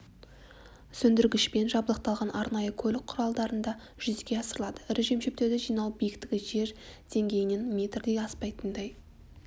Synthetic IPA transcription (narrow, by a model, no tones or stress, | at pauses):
sɵnd̪ɪɾɡʲɪʃpe̞nʒɑbəlˠəq̚t̪ɑlˠʁɑnʔɑɾnɑjəkʲʰɵlɪk̚qʰʊɾɑlˠd̪ɑɾənd̪ɑ | ʒ̥ʏzɡʲe̞ɑsəɾəlˠɑd̪ə̥ɪɾɪʒe̞mʃep̚t̪e̞ɾd̪ɪʒijnɑlˠbijɪkt̪ɪɡʲɪʒe̞ɾd̪̥e̞ŋɡʲe̞jɪne̞nmʲet̪rd̪e̞jɑspɑjt̪ənd̪ɑj